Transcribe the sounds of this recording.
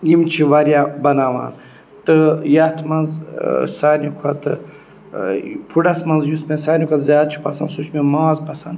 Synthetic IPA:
jimt͡ʃʰiʋɐɾjabɐnaːʋa̰ːn | t̪ɨjɐt̪ʰmɐnzsaːnʲukʰɐt̪ɨ | pʰuɖɐsmɐnzjusmẽsaːnʲukʰɐt̪zʲjaːd̪̚t͡ʃʰi̥pɐsɐnsut͡ʃʰmẽmaːzpɐsɐnd̪

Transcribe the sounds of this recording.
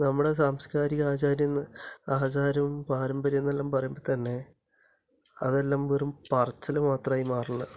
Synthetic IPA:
nɐmːuɽe̞saːmskaːɾiɣaːt͡ɕaːɾjɐnːɐaːt͡ɕaːɾɐʋmpaːɾɐmbɐɾijunːelːaːmpɐrɐjumbot̪ɐɳːe̞ | ɐ̰ðelːaːmʋoɾumpɐrt͡ɕːɐlɨmaːt̪rɐmaːjimaːrɐɳːɐ

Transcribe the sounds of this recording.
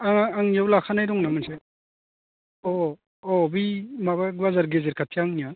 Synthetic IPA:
aŋaaŋjawlakʰanajɾɔŋnamɯnse | ɔ | ɔbimabaɡwazaɾɡezeɾkʰatʰijaŋnija

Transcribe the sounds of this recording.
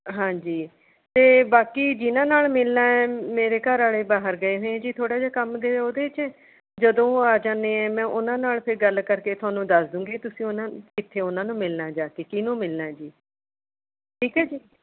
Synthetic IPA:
ɦãːd͡ʒiː | t̪eːbaːkiːd͡ʒɪnãːnaːɭmɪlnaːɛːmeːɾeːkəɾaːɭeːbaːɦəɾɡəeːɦoẽɛ̃ːd͡ʒiːt̪ʰoːɽaːd͡ʒaːkəmd̪eːeːoːd̪eːɪt͡ʃɛ̃ː | d͡ʒəd̪õːaːd͡ʒãːnd̪eːɛ̃ːmɛ̃ːʔʊnãːnaːlpʰɪɾɡəlkəɾkeːt̪ʰʊaːnũːd̪əsd̪ũːɡeːt̪ʊsĩːʊnãːkɪt̪ʰːeːʊnãːnũːmɪlnaːd͡ʒaːkeːkɪnõːmɪlnaːɛːd͡ʒiː | ʈʰiːkɦɛːd͡ʒiː

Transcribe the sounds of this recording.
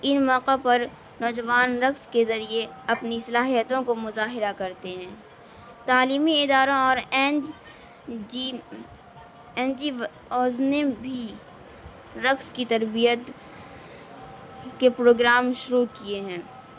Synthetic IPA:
ɪnmɔːqepɐɾ | nɔːd͡ʒɐʋaːnɾɐkzkezɐɾieɐpnisɐlaːɦijət̪õkomʊzaːɦɪɾakɐɾt̪eɦɛ̃ː | t̪aːliːmiɪd̪aːɾõɔːɾ | ɛːnd͡ʒi | ɔːznebʱi | ɾɐkskit̪ɐɾbijət̪ | kepɾoːɡɾaːmʃʊɾukieɦɛ̃ː

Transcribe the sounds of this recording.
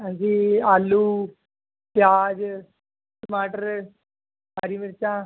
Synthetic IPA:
ɦãɲd͡ʒiːaːlːuː | pjaːd͡ʒ | smaːʈəɾ | ɦaːɾiːmɪɾt͡ʃãː

